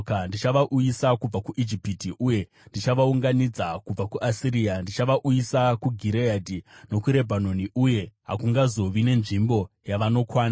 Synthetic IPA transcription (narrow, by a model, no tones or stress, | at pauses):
kandit͡ʃaʋaʔujisakub͡vakuʔid͡ʒipitiʔuje̞ | ndit͡ʃaʋauŋɡanid͡zakub͡vakuʔasiɾiːandit͡ʃaʋaʔujisakuɡʱiɾeadino̞kuɾe̞bʱano̞niʔuje̞ɦa̰kuŋɡazo̞ʋine̞nʐimbo̞ | jaʋano̞kwaːna